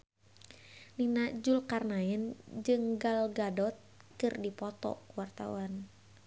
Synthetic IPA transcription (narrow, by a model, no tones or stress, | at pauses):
ninad͡ʒulkarnaɛnd͡ʒɨŋɡalɡadɔt̪̚kɨrdipɔt̪ɔ̰kuwart̪a̰wan